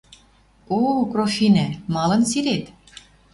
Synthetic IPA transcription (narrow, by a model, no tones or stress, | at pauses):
okrofinæmɑlɤ̆nsiɾet̪